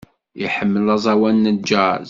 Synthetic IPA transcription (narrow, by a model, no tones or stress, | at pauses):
jiħəmːəlɑzˤɑwænːəd͡ʒa